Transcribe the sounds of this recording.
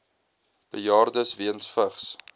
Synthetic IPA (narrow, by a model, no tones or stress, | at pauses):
b̥əjɑːrdəsviənsfəχs